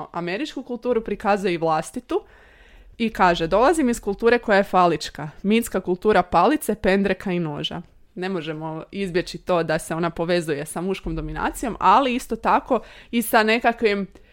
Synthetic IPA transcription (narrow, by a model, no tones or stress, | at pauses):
ʔame̞ɾit͡ʃkukulˠt̪uːɾupɾikazujeiʋlˠast̪it̪u | ikaːʒe̞d̪o̞lˠazimiskulˠt̪uːɾe̞ko̞jajefalit͡ʃkaminskakulˠt̪uːɾapalit̪se̞pe̞nd̪ɾekʰaino̞̰ːʒa̰ | ne̞mo̞ʒe̞mo̞izbje̞t͡ʃit̪o̞ːd̪ase̞o̞napo̞ʋe̞zuje̞samuʃko̞md̪o̞mina̰ːt̪sijo̞maliist̪o̞t̪ako̞isane̞kakʋim